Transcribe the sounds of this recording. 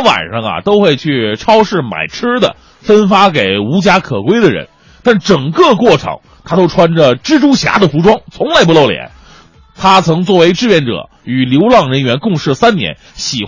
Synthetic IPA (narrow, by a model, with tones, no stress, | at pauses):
wa̰˨˩nʂɑ˥ŋɐ̰˨t̪o˥ʊxwe˥˧ɪt͡ɕʰy˥˩ʈ͡ʂʰɑ˥ʊʂɻ̩˥˩ma̰˨˩ɪʈ͡ʂʰɻ̩˥d̪ə̰˨ | fə˥nfa˥k̬e˨˩ɪu˧˥t͡ɕja˥kʰɤ˨˩kwe˥ɪd̪ə˨ɻə̰˧˥n | t̪a˥˩nʈ͡ʂɤ˨˩ŋkɤ˥˧kwɔ˥˩ʈ͡ʂʰɤ̰˧˥ŋ | t̪ʰa˥t̪o˥ʊʈ͡ʂʰwa˥nʈ͡ʂə˨ʈ͡ʂɻ̩˥ʈ͡ʂu˥ɕja̰˧˥d̪ə˨fu˧˥ʈ͡ʂwɑ˥ŋt͡sʰʊ˧˥ŋla˧˥ɪp̬lo˥˩ʊljɛ̰˧˥˦n | t̪ʰa˥t͡sʰɤ˧˥ŋt͡swɔ˥˩we˧˥ɪʈ͡ʂɻ̩˥˧pjɛ˥˩nʈ͡ʂɤ̰˨˩˦ | y˨˩ljo˧˥ʊlɑ˥˩ŋɻə˧˥nɥɛ˧˥nkʊ˥˧ŋʂɻ̩˥˩sa˥nnjɛ̰˧˥n | ɕi˨˩